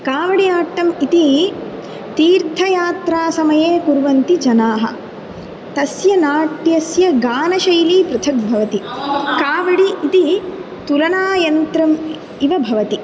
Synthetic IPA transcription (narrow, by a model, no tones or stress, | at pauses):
kaːʋɐɽijaːʈːɐmit̪i | t̪iːɾt̪ʰɐjaːt̪ɾaːsɐmɐjeːkuɾʋɐnt̪id͡ʒɐnaːɦɐ̰̆ | t̪ɐsjɐnaːʈjɐsjɐɡaːnɐʃɐjliːpɾɐt̪ʰɐk̚bʱɐʋɐt̪ikaːʋɐɽiːt̪i | t̪ulɐnaːjɐnt̪ɾɐm | iʋɐbʱɐʋɐt̪i